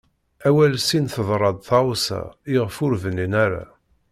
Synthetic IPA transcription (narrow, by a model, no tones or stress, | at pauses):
æwælsinθəðˤɾˤɑd̪ˤθɑwsæ̰iʁfʊɾvəninæɾa̰